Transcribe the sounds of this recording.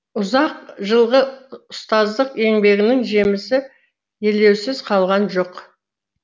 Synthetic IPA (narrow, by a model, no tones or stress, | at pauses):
ʊzɑqʒəlˠʁəʊst̪ɑzd̪əqe̞ŋbe̞ɡʲɪnɪŋʒe̞mɪsɪ | je̞ld̪e̞wsɪzqʰɑlˠʁɑnʒo̞q